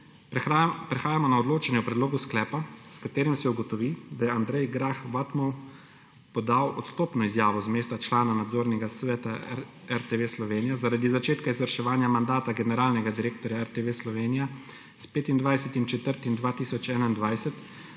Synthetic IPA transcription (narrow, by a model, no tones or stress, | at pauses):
pɾɛxaːjamɔnaɔd̪loːt͡ʃɛnjɛwpɾɛd̪loːɡusklɛːpaskat̪eːɾimsɛuɡɔt̪ɔʋid̪ajɛand̪ɾɛjɡɾaxʋat̪mɔw | pɔd̪awʔɔt̪st̪oːpnɔizjaːʋɔzmeːst̪at͡ʃlaːnanad̪zoːɾnɛɡasʋɛːt̪a | ɛɾt̪eʋeslɔʋeːnijazaɾaːd̪izat͡ʃeːt̪kaizʋəɾʃɛʋaːnjamand̪aːt̪aɡɛnɛɾaːlnɛɡad̪iɾeːk̚t̪ɔɾjaɛɾt̪eʋeslɔʋeːnija | speːt̪ind̪ʋajsɛt̪imt͡ʃɛt̪əɾt̪imd̪ʋaːt̪iːsɔt͡ʃɛːnaind̪ʋajsɛt̪